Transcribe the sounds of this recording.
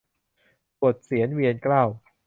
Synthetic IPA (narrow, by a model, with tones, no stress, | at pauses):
pu˨˩ət̪̚si˨˩˦ənwi˧ənklaː˥˩w